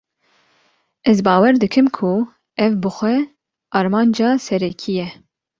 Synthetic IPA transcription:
ɛzbɑːwɛɾd̪ɨkʰɨmkʰʊ | ɛvbɨxʷɛ | ɑːɾmɑːnd͡ʒɑːsɛɾɛkʰijɛ

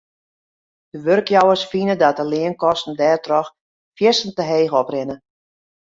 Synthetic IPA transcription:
d̥əʋørkjɔwərsfinədɔt̚əlɪənkɔstn̩dɛːrtrɔx | fjɪsn̩təɦeːɣɔprɪnə

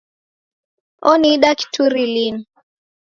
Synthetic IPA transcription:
ɔniɗaki̥tuɾilini

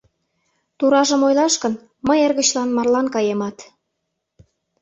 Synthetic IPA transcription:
t̪uɾɑʒə̆mojlɑʃkən | məjerɣə̆t͡ɕlɑnmɑrlɑnkɑjemɑt̪

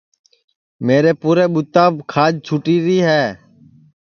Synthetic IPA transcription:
meːɾeːpuːɾeːɓʊt̪aːbkʰaːd͡ʒt͡ʃʰuːʈiːɾiːɦɛː

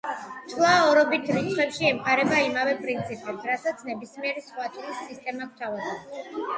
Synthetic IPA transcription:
t͡ʃʰʼlˠaɔɾɔbit̪ʰɾit̪sʰχwɛpʃiɛmχʰʼaɾɛbaimavɛpʼɾint̪sʰipʼɛpsɾasat̪sʰnɛbismiɛɾisχwatt͡ʃ̪ʰʼlisːist̪ʼɛmak̚ʰt̪ʰavazɛn

